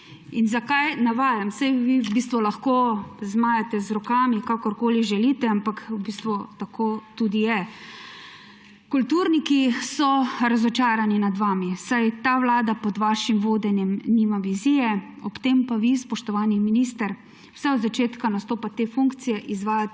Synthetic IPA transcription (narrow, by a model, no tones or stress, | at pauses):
inzakajnaʋaːjamsajʋibiːst̪ʋulaxkozmaːjat̪ɛzɾɔkaːmikakɔɾkoːliʒɛliːt̪ɛampakwbist̪ʋut̪akʰoːt̪ud̪ijɛ | kult̪uɾnikisɔɾazɔt͡ʃaːɾaninad̪ʋaːmisajt̪aːʋlaːd̪apɔd̪ʋaːʃimʋoːd̪ɛnjɛmnimaʋizijɛ | ɔpt̪empaʋispɔʃt̪ɔʋaːniminist̪əɾ | wsɛɔd̪zat͡ʃeːt̪kanast̪oːpat̪eːfuŋkt̪sijɛʔizʋaːja